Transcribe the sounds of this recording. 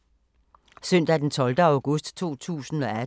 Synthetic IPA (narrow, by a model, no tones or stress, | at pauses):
søn̰d̥æd̥ent͡sʰɒ̽ld̥əäʊɡ̥ɔ̽sd̥t͡sʰo̝̰ːt͡sʰṵːsn̩ɒ̽æ